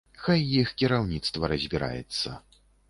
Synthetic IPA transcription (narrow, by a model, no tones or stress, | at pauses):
xajːixkʲiɾawnʲit̪st̪vɐɾɐzʲbʲiɾa̰jɛ̰t̪sːɐ̰